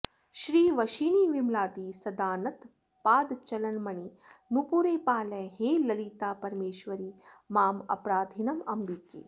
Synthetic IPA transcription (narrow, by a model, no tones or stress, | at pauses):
ʃɾiːʋɐʃiːniːʋimlaːt̪iːsɐd̪aːnɐt̪ | paːd̪t͡ʃɐlɐnmɐɳinupuɾeːpaːlɐjɦeːlɐlit̪aːpɐɾmeːʃʋɐɾiːmaːmɐ̰pɾaːd̪ʱinɐmɐmbikḛː